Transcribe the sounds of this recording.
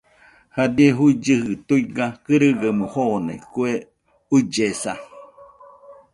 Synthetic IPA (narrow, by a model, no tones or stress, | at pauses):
had̪ieɦuid͡ʒɨhɨt̪uiɡakɨɾɨɡəmuhonḛkue | ud͡ʒesa